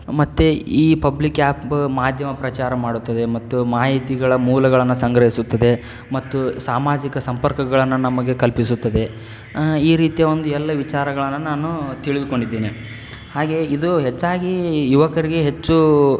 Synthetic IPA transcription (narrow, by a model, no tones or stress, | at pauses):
mɐt̪ːeiːpɐblikjaːpmaːd̪ʱjɐmɐpɾɐt͡ʃaːɾɐmaːɽut̪ːɐd̪e̞mɐt̪ːumaːɦit̪iɡɐɭɐmuːlɐɡɐɭɐnːusɐŋɡɾɐɦisut̪ːɐd̪e̞ | mɐt̪ːusaːmaːd͡ʒikɐsɐmpɐɾkɐɡɐɭɐnːunɐmɐɡe̞kɐlpisut̪ːɐd̪e̞ | iːɾiːt̪ijɐʋo̞nd̪uɛlːɐʋit͡ʃaːɾɐɡɐɭɐnːɐnaːnut̪iɭid̪uko̞ɳɖid̪ːeːni | haːɡe̞id̪uɦet͡ʃːaːɡijuʋɐkɐɾiɡe̞ɦet͡ʃːu